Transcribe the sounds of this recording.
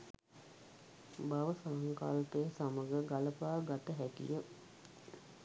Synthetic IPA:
baʋəsaŋka̰lpejəsaməɡəɡaləpaːɡat̪əɦækḭjə

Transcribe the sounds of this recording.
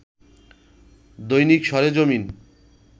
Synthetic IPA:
d̪ojnikʃɔɾed͡ʑomin

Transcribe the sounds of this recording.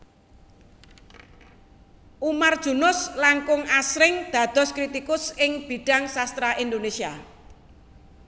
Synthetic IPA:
ʔumard̥ʒ̥ṳnʊslaŋkʊŋasɾɪŋd̪̥ä̤d̪̥ɔ̤skɾit̪ikʊsɪŋb̥i̤ɖ̥a̤ŋsast̪ɾaʔind̪onesia

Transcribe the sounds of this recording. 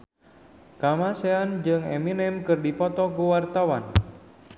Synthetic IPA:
kamaseand͡ʒɨŋɛ̰minɛmkɨrdipɔt̪ɔkuwart̪awan

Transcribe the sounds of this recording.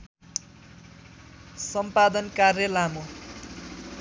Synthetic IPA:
sʌmpad̪ʌnkarjʌlamo

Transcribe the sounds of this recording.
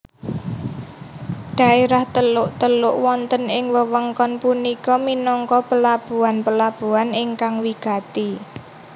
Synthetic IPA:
ɖ̥a̤eɾaht̪əlʊʔt̪əlʊʔwɔnt̪ənɪŋwəwəŋkɔnpunikɔminɔŋkɔpəlab̥uanpəlab̥ṳanɪŋkaŋwiɡ̥a̤t̪i

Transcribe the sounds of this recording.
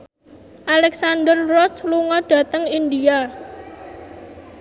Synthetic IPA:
ʔalɛksandərrɔsluŋɔɖ̥ä̤t̪əŋind̪ia

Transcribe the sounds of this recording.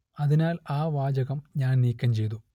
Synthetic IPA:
ɐðinaːlaːʋaːd͡ʑɐɣɐmɲaːnniːkʲːɐmt͡ɕe̞jt̪u

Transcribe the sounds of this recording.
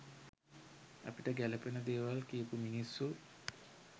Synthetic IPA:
a̰piʈəɡælepenəd̪eːʋalkiəpuminisːu

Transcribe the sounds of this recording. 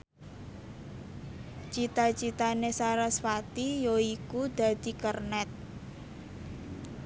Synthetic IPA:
t͡ʃit̪at͡ʃit̪anesaɾasfat̪ijoikud̪̥ä̤d̪̥i̤kərnɛt̪̚

